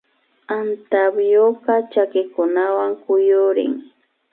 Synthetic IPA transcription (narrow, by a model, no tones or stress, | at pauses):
ant̪abjoɢɑt͡ʃakɪkʊnawaŋkʊjʊɾɪ̰ŋ